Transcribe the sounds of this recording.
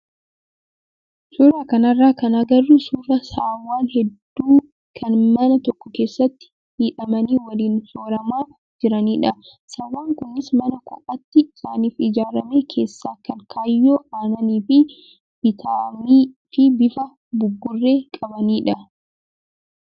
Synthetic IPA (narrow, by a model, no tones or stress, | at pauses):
sʊɾaːkɐnɐrːaːkɐnɐɡɐrːusurɐsaːwːaːnhɛd̪ːuː | kʰɐnmɐnɐt̪ɔkːɔke̞ːsːɐt̪ːɪ̥ | hiːᶑɐmɐniːwɐliːnsoːɾɐmaː | d͡ʒɪɾɐniːᶑɐ | sɐwːaːŋkʊnːɪsmɐnɐkʊ̰ʔɐt̪ːɪɪsaːniːfɪd͡ʒaːɾɐmeːkʰe̞ːsːaːkɐŋkʰaːjːo̞ːʔaːnɐniːfɪ | b̥ɪt̪ʰaːmiːfɪbɪfɐ | bʊbːʊrːe̞ːkʼɐbɐniːᶑɐ